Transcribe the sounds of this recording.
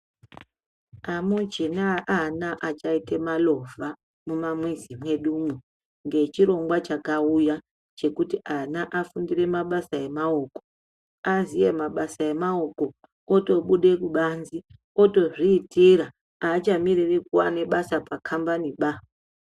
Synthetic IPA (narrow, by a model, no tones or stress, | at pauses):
amud͡ʒinaʔanaʔat͡ʃaite̞malo̞vʱa | mumamwizimwe̞ɗumwu | ŋɡe̞t͡ʃiɾo̞ŋɡwat͡ʃakauja | t͡ʃe̞kutiʔanaʔafundire̞maɓasae̞maoːko̥ | azije̞maɓasae̞maoko̞ | oto̞ɓuɗe̞kuɓanzi | o̞to̞ʐiːtʰiɾa | at͡ʃamiririkuwane̞ɓasapakʰambaniɓa